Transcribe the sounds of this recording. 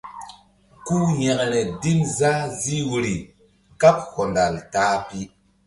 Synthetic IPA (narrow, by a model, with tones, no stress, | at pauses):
ku˦jɛ˨ʔɾɛ˨di˦mza˦zi˦wu˨ɾi˨ | ka˦p̚ho˨nda˨ltaː˨˦pi˦